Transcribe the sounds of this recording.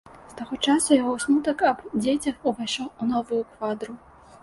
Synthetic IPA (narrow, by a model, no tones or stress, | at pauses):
st̪aɣɔt͡ʂasujaɣɔsnut̪ɐkɐbd͡zʲet͡sʲɐxuvaʂɔunɔvujukvad̪ɾu